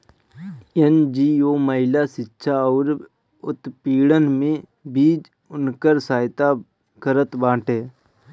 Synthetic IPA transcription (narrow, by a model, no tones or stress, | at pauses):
end͡ʒiːoːməɦɪlasɪtːʃʰaɔːɾ | ʊt̪piːɽənmẽ | biːd͡ʒ | ʊnkəɾsaːjt̪a | kəɾət̪bãːʈɛː